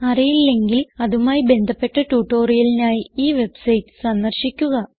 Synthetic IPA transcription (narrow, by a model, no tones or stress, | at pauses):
ɐrijilːe̞ŋɡilɐðumaːjibe̞nd̪ʱɐpːe̞ʈːɐʈuːʈːo̞ːrijɐlinaːjiiːʋe̞bsɐjtːɨ̥sɐnd̪ɐrɕikʲːuɣɐ